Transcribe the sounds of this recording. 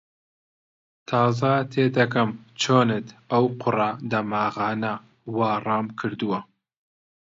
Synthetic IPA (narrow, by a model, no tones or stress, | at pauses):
t̪ʰɑːzɐt̪ʰeːd̪ɐkɐmt͡ʃʰoːnɨt̪ɐwqʰʊrɐd̪ɐmɑːɣɑːnɐ | wɑːrˤɑːmkʰɨɾd̪ɨwɐ